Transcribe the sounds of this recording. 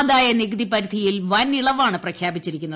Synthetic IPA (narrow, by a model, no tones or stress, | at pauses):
ðaːjɐniɡɐd̪ipɐɾid̪ʱijilʋɐniɭɐʋaːɳɨprɐkʰjaːbit͡ɕːiɾikʲːunːɐ